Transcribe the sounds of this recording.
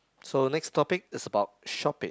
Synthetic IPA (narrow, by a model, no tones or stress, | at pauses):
sonɛkstʰɔpɪk̚ɪsəbaʊt̚ʃɔpɪ̰̃